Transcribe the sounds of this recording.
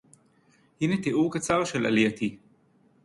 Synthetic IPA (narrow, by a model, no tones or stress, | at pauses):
hinet̪eʔuʁkat͡saʁʃela̰lijat̪i